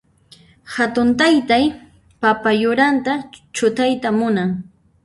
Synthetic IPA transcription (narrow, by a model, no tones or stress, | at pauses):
hat̪ʊnt̪ajt̪aj | papajʊɾant̪at͡ʃʊt̪ajt̪amʊnaŋ